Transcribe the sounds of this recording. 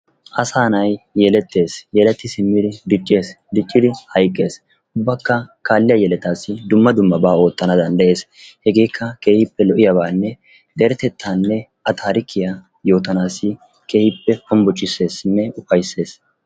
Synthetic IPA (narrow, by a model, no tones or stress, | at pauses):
ʔɐsaːnɐjjɛlɛt̪ːe̞ːsjɛlɛt̪ːɪsɪmːɪd̪ɪd̪ɪt͡ʃʼːeːs | d̪ɪt͡ʃʼːɪd̪ɪhɐjkʼːe̞ːs | ʊbːɐkːɐkaːlːɪjɐjɛlɛt̪aːsːɪd̪ʊmːɐd̪ʊmːɐbaːo̞ːt̪ːɐnɐd̪ɐnd̪ɐʔe̞ːs | hɛɡe̞ːkʰːɐke̞ːhɪpːɛlɔʔɪjɐbaːnːɛ | d̪ɛɾɛt̪ɛt̪ʰːaːnːɛʔɐt̪ʰaːɾɪkʰːɪja | jo̞ːt̪ɐnaːsɪ | ke̞ːhɪpːɛhɔmbɔt͡ʃʼːɪsːe̞ːsnːɛʊfɐjsːe̞ːs